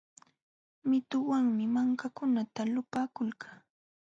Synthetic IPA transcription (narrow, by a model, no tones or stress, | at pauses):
mɪt̪ʊwaŋmɪmaŋkakʊnat̪alʊpaːkʊlkʰa